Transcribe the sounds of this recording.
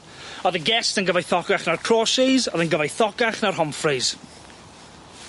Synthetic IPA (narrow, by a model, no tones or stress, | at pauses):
ɔðəɡɛstənɡəvajθɔɡaχnarkʰr̥ɔːʃɪzɔðənɡəvajθɔɡaχnarɦɔmfrɪz̥